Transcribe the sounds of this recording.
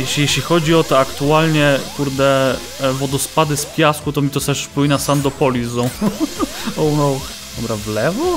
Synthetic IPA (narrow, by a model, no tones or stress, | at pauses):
jɛɕʲijɛɕlʲixɔd͡ʑiɔt̪ɛakt̪ualɲɛkuɾd̪ɛ | vɔd̪ɔspad̪ɘspʲjaskut̪ɔmʲit̪ɔt̪ɛʂpujnasand̪ɔpɔlʲizɔ̃w | ɔwnɔwx | d̪̥ɔbɾavlɛvɔ